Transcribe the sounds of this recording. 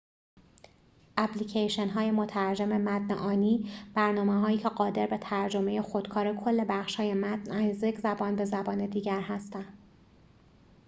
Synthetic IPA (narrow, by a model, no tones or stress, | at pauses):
ʔæplicʰejʃenɦɒːje̞mo̞t̪ʰæɾd͡ʒe̞me̞mæt̪nḛʔɒːniːb̥æɾnɒːmeɦɒːjiːcʰe̞ɢɒːd̪e̞ɾbe̞t̪ʰæɾd͡ʒo̞meje̞xo̞d̪̥kʰɒːɾe̞kʰo̞lːe̞bæχʃhɒːje̞mæt̪næjzekzæbɒːnbe̞zæbɒːne̞d̪iːɟæɾɦæst̪ænd̪̥